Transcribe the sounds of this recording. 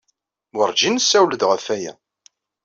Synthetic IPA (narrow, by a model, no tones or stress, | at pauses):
wəɾˤd͡ʒinəsːæwləd̪ʁəfæjæ̰